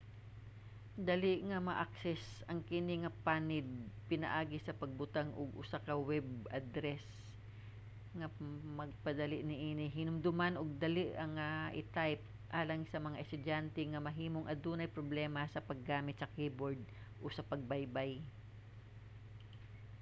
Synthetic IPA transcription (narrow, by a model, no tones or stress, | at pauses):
d̪ɐliʔŋɐmɐʔak̚sɛs | ɐŋkɪnɪŋɐpaːnɪd̪̚pɪnɐʔaːɡɪsɐpɐɡ̚bʊt̪aŋʔoɡʔʊsakɐwɛbʔad̪ɾɛs | ŋɐmɐɡ̚pɐd̪ɐlɪʔnɪʔiːnɪɦinʊmd̪ʊmanʔoɡ̚d̪ɐliʔɐŋaʔɪt̪ajp̚ | ʔaːlɐŋsɐmɐŋaʔɛst̪ʊd̪ant̪ɛŋɐmɐɦiːmoŋʔɐd̪uːnɐjpɾoblɛmɐsɐpɐɡːaːmɪt̪̚sɐkiːboɹd̪̚ | ʔosɐpɐɡ̚bajbaj